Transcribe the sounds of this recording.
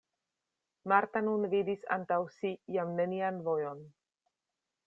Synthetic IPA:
maɾt̪anunvid̪isa̰nt̪awsijamnenianvojon

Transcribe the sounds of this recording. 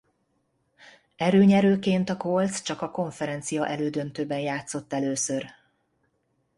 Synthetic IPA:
ɛɾøːɲɛɾøːkeːnt̪ɒkolt̪st͡ʃɒkɒko̞ɱfɛɾɛnt̪sijɒʔɛløːd̪ønt̪øːbɛnjaːt̪so̞t̪ːɛløːsør

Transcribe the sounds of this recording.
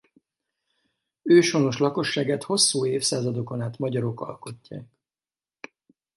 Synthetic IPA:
øːʃo̞no̞ʃlɒko̞ʃːaːɡaːt̪ho̞sːuːeːfsaːzɒd̪o̞konaːt̪mɒɟɒɾo̞kɒ̰lko̞cːa̰ːk

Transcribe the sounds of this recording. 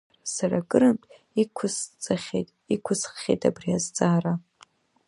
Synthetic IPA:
rsara̰ɡʼɨɾɨmtʼ | ikʷʰʊst͡sʼaχʲḛtʼ | ikʷʰʊsχːʲejtʰʼa̰briazt͡sʼaːra

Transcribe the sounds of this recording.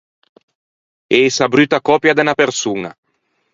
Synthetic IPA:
esabɾyːt̪akɔːpjad̪enapersuːna̰

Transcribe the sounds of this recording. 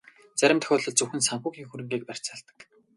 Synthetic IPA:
t͡sæɾʲɪ̆mt̪ʰœ̥xʲɔːɮɞ̆ɮt͡sɵwxɘ̆nsaŋxuːɣiːŋxuɾɘ̆ŋɡeːk̚pær̥ʲt͡saːɮt̪ə̥̆k

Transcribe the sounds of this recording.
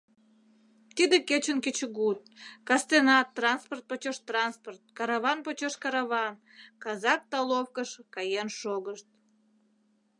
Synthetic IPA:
t̪id̪eket͡ɕənket͡ɕəɣut̪̚kɑst̪enɑt̪ːrɑnsport̪̚pot͡ɕoʃt̪rɑnsport̪̚kɑɾɑβɑnpot͡ɕoʃkɑɾɑβɑn | kɑzɑk̚t̪ɑlofkəʃkɑjenʃoɣəʃt̪̚

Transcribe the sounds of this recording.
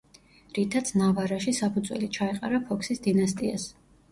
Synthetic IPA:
ɾit̪ʰat̪sʰnavaɾaʃisapʰud̪zwɛ̰lit͡ʃʰaɛqʼa̰ɾapʰɔkʰsisd̪inast̪ʼia̰s

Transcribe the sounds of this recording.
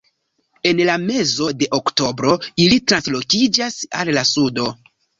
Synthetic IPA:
e̞nlame̞zo̞de̞ʔokto̞bɾo̞ilitɾanslo̞kid͡ʒasa̰llasudo̞

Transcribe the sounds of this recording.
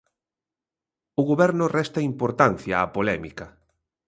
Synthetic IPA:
ʊɣoβɛɾnʊrɛst̪ɐimpoɾt̪an̟θjaːpolɛmikɐ

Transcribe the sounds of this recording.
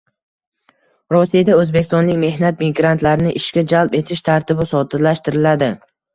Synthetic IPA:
ɾɒsijad̪aɵzbekʲɪst̪ɒnlɪkʲme̞hnat̪̚miɡɾant̪laɾɪnɪʔɪʃkʲad͡ʒalpe̞t̪ʰɪʃt̪ʰaɾt̪ʰɪbɪsɒd̪ɪɾlaʃt̪ɪɾɪlad̪ɪ

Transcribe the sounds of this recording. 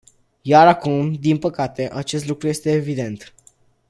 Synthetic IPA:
jaɾakumd̪inpəkat̪e̞ʔat͡ʃe̞s̬t̪lukɾuje̞st̪e̞ːvid̪e̞nt̪

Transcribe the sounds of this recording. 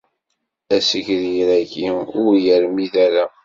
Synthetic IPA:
æsəçɾjɾækiʊɾjəɾmiðæɾæ

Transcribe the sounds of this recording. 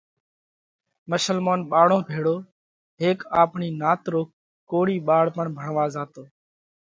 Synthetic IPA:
məʃəlmoːnɓaːɽõːbʱeːɽoː | ɦeːkaːpɳiːnaːt̪ɾoːk | kːoːɽiːɓaːɽpəɳbʱəɳʋãːzaːt̪oː

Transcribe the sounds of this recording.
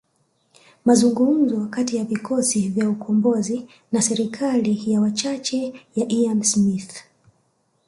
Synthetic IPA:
mazuŋɡum̩zɔkatijavikʰɔsivjaukʰɔmbɔzi | nasɛɾikʰalijawat͡ʃat͡ʃɛjaʔiamsmiθ

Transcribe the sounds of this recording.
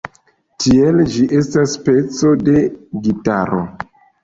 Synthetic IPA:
tield͡ʒiʔe̞staspe̞t͡so̞de̞ɡitaɾo̰

